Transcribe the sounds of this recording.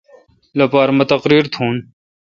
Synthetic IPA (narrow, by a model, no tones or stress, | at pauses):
lɐpaːɾmɐt̪ɐqɾiːɾt̪ʰũːn